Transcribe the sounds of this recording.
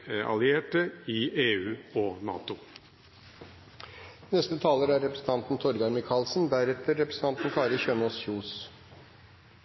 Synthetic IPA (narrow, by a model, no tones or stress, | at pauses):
ɑ̰lɪeːʈəiːeːʉːoːnɑ̰ːt̪ʊ | nɛst̪ət̪ʰɑːləɾæɾɾɛpɾəsn̩t̪ʰɑnt̪n̩t̪ʰɔɾɡɑɾmɪkʰɑːlsn̩d̪æɾɛt̪əɾːɛpɾə̥sn̩ɑnt̪n̩kʰɑːɾəçøːnoːsçuːs